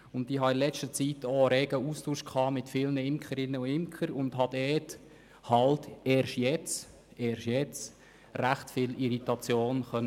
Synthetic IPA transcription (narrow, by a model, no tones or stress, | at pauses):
ʊntdiːɦɑɪnlɛt͡ʃtət͡sitoɾɛːɡ̥əustuːʃkʰχɑːmɪtfɪːlnəɪmkχəɾɪnːəuɪmkχəɾʊndɦɑd̪ɛːt | hɑltɛːɾʃtjɛt͡s | eːɾʃjɛt͡s | ræχtfɪliɾitɑt͡sjoːnχœn